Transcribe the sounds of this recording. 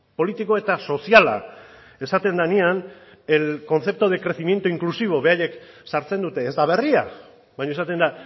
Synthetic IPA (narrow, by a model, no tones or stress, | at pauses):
po̞lit̪iko̞e̞t̪aso̞siala̰ | e̞sat̪e̞nd̪anian | elko̞nθe̞p̚t̪oð̞e̞kɾe̞θimje̞nt̪uiŋklusiβ̞o̞βe̞aje̞ksaɾt͡se̞nd̪ut̪e̞ːzd̪aβ̞e̞ria | bajɲoesat̪e̞nd̪a